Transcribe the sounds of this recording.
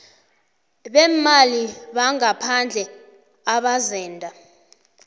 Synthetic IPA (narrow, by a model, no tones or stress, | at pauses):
ɓɛmmaliɓaŋapʰand͡ɮʱɛ | aɓazɛːndʱa